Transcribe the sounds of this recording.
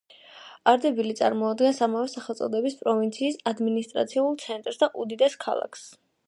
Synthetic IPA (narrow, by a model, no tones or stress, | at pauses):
aɾd̪ɛbilit̪sʼa̰ɾmɔad̪ɡɛnsamavɛsaχɛlˠt̪sʼɔd̪ɛbispʼɾɔvint̪sʰiːsad̪minist̪ʼɾa̰t̪sʰiulˠt̪sʰɛnt̪ʼɾsd̪aʔud̪id̪ɛskʰa̰lˠa̰kʰs